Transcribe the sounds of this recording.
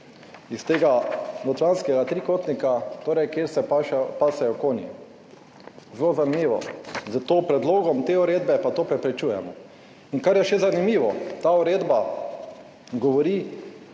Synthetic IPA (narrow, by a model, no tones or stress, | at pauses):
ist̪eːɡanɔt̪ɾanskɛɡat̪ɾiːkoːt̪nikat̪oːɾɛjkjeɾsɛpaʃpasɛjɔkoːnḭ | zlozaɾmiːʋɔ̰zət̪oːpɾɛd̪loːɡɔmt̪euɾeːd̪bɛpat̪oːpɾɛpɾɛt͡ʃuːjɛ̰mɔ | iŋkaɾjɛʃɛzanimiːʋɔt̪auɾeːd̪ba | ɡɔʋɔɾiː